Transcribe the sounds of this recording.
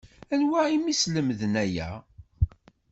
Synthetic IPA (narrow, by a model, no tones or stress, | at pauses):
ænwæimisləmðənæjæ̰